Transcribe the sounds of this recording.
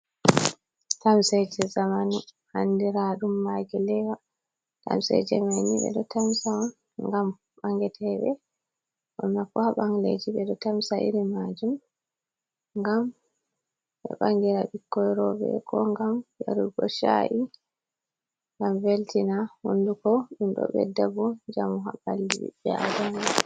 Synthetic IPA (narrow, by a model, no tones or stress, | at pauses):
tamsɛd͡ʒɛzamanu | handiɾaɗumːaɡɛlɛwa | ta̰msɛ̰d͡ʒɛ̰majniɓɛ̰ɗɔtamsaɔn | ŋɡam | ɓaŋɡɛtʰɛɓɛ | ʔɔmːakɔhaɓaŋlḛd͡ʒiɓɛɗɔtamsaʔḭɾimad͡ʒum | ŋɡam | ɓɛ̰ɓaŋɡiɾaɓikːɔjɾɔbɛ̰kɔŋɡambaɾuɡɔʃa̰ʔi | ŋɡamveltinahundukɔɗumɗɔ̰ɓɛ̰dabɔd͡ʒamuɦabalːibḭɓɛadan